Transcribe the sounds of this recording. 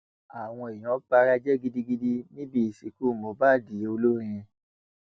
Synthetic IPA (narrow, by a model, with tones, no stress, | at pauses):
a˨w̃ɔ̃˧e˨j̃ɔ̃˨˦ba˧˦ɾa˧d͡ʒɛ˦ɡi˦di˦ɡi˦di˦nĩ˦bi˦i˨si˨˦ku˦˨mo˨˦ba˦˨di˨˦o˧lo˦ɾĩ˧